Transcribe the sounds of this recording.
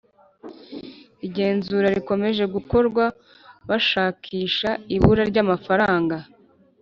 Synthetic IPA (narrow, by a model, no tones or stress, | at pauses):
iɟe̞ːnzuːɾaɾiko̞me̞ʒe̞ɡuko̞ɾɡwa | βaʃaːkʰiːʃaiβuɾaɾɟamafaɾaːŋɡa